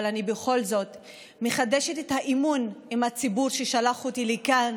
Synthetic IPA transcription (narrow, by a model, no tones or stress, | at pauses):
lanibeχo̞lzo̞t | me̞χadeʃet̪et̪haʔimunimhat͡sibuʁʃeʃalaχut̪ilikan